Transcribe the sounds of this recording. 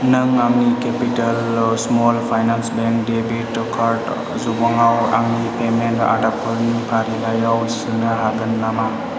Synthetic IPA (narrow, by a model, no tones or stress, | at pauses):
nɯŋaŋnikepitalsmolpʰajnansbeŋk̚debitkʰaɾt | zubaŋawa̰ŋnipementa̰dapʰɔlnipʰaɾilajawsunaɦaɡɐnːama